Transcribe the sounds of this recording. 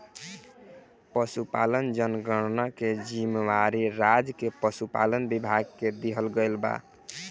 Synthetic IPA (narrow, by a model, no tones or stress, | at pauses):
pəsupa̰lənd͡ʒənɡəɾnaked͡ʒimewaɾiɾad͡ʒkepəsupa̰lənbibʱaɡked̪eɦəlɡəlba̰